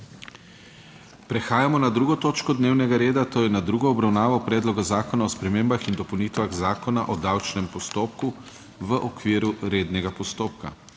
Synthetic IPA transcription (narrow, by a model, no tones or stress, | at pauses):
pɾɛxaːjamɔnad̪ɾuːɡɔt̪oːt͡ʃkɔd̪neːwnɛɡaɾeːd̪at̪oːjɛnad̪ɾuːɡɔːbɾawnaːʋɔpɾɛːd̪lɔɡazaːkɔnaɔspɾɛmeːmbaxind̪ɔpownit̪ʋaɣzaːkɔna̰ʔɔd̪awt͡ʃnɛmpɔst̪oːp̚ku | ʋəʔɔkʋiːɾuɾeːd̪nɛɡapɔst̪oːp̚ka̰